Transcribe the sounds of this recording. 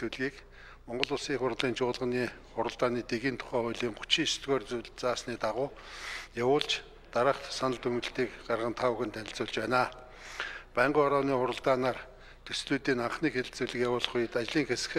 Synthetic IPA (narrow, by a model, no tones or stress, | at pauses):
uɮɣiːk | mɔɴɢɞ̆ɮʊːsiːŋχʊrʁ̆ɮiːnt͡ɕʰʊːɮʁə̆niː | χʊɾə̆ɮt̪aːniːt̪eɣiːnt̪ʰʊ̥χæːχʊjɮiːmχʊ̥t͡ɕiːst̪ɣoːrt͡suɮt͡saːsniːt̪aʁʊː | jawʊːɮt͡ɕ | t̪aɾə̆χt̪sanə̆ɮt̪ɵŋɡɵ̆ɬt̪iːkɢarʁə̆nt̪ʰaʊxɘ̆nt̪ʰænʲɪ̆ɬt͡sʊːɮt͡ɕpæːnaː | pæːɴɢʊːɔɾɔːniːχʊɾə̆ɮt̪aːnaːr | t̪ʰɵsɮuːt̪iːnaɴχniːxeɮt͡suɮɘ̆kʲjawʊːɮ̆χʊjt̪at͡ɕɮiːŋxesɘ̥̆x